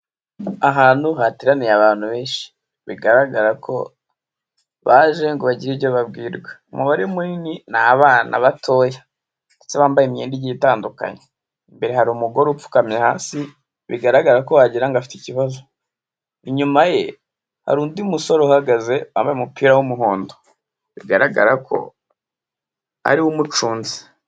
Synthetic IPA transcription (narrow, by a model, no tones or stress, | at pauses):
aɦaːnhuɦatiɾanijaβaːn̥huβe̞ːnʃi̥ | βḭɡaɾaɡaɾakʰo̞̰ | βaʒe̞ŋɡoβaɟiɾivɟoβabɡiːɾɡweumuβaɾiumuɾininaβaːnʔa̰βatʰo̞ːja | ndet͡seβaːmbajemeːndiɟitaːnduka̰ɲe | imbe̞ɾehaɾumuɡo̞ɾup͡fu̥kamɲehaːsi | βḭɡaɾaɡaɾako̞βaɟiɾaŋɡafi̥ticiβazo̞ | iɲumaje̞ | ha̰ɾuːndiumusoɾohaɡaze̞βa̰ːmbajemupiːɾawumuɦoːndo | βḭɡaɾaɡa̰ɾakʰo̞̰ | a̰ɾiwumut͡ʃuːnzi̥